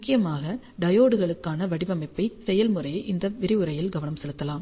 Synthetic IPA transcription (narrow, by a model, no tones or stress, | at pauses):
mʊkːɪjɐmaːɣɐ | ɖɐjoːɽɯɣɐɭɯkːaːnɐʋɐɽɪbɐmɐɪpːɐɪsɛjɐlmɯrɐjʔɪnd̪ɐʋɪɾɪɯɾɐjɪlɡɐʋɐnɐmsɛlɯt̪ːɐlaːm